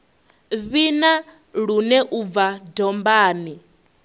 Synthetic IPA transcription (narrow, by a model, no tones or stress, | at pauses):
βina | ɺunɛʔub̪vadɔmbaːni